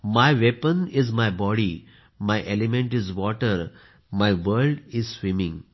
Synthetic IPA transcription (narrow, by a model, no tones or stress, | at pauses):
majʋepə̃nizmajbɔɽi | majʔelimẽɳʈizʋɔʈəɾ | majʋəɾlɖizsʋĩmĩŋɡ